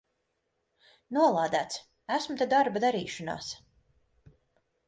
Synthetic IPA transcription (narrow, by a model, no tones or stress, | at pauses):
nuɔlˠaːd̪æːt̪s | æsmut̪ad̪aɾbad̪aɾiːʃɔna̰ːs